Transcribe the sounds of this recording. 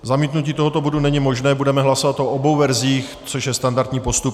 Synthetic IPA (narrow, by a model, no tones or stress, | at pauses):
zamiːt̪nuciːt̪o̞ɦo̞t̪obo̞dunɛɲɪmo̞ʒnɛːbudɛmɛɦlaso̞vat̪ʔo̞ʔobowvɛɾziːx | t͡soʃjɛst̪andaɾt̪ɲiːpo̞st̪up